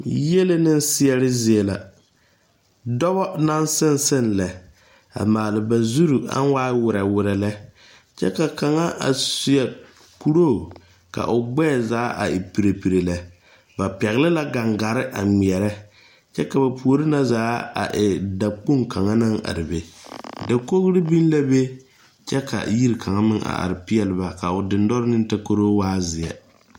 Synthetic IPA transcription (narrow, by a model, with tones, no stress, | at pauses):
je˦lɪ˦nɪ˦n˦sɪ˦ɛ˦lɪ˦zɪ˦e˨la̰˨ | dɔ˦bɔ˦na˦nsɪ˦nsɪ˦nlɛ˨ | a̰˨maː˨lɪ˨ba˨zu˦ɾu˨a̰˦n˦waː˦wʊ˨ɾɛ˨wʊ˨ɾɛ˨lɛ˦ | t͡ʃɛ̰˦ka˨ka˨ŋa˦ʔa̰˨sʊ˨ɛ˨ | ku˨ɾo˦˨ | ka̰˨ʔʊ˨ɡ͡bɛː˦˨zaː˨˦ʔa̰˨ɪ˨pi˨ɾe˨pi˨ɾe˨lɛ˨ | ba˨pɛ˨ɣɪ˦lɪ˦la˦ɡa˨ŋɡa˨ɾɪ˦ʔa˨mi˨ɛ˨ɾɛ˦ | t͡ʃɛ˦ka˨ba˨pu˨o˨ɾɪ˦na˦zaː˨˦a̰˨ʔɪ˨da˨k͡pu˦ŋka˨ŋa˦na˦ŋa̰˨ɾɪ˨be˨da˨ko˦ɣɾɪ˦bi˦n˦la˦be˦ | t͡ʃɛ˦ka̰˨ji˦ɾkʰa˨ŋa˦mɪ˦ŋa̰˨a̰˨ɾɪ˨pɪ˦ɛ˨lɪ˦ba˨ka˨ʊ˨dɪ˨n˦dɔ˦ɾɪ˦nɪ˦n˦ta˦ko˦ɾoː˦waː˦zɪ˨ɛ̰˨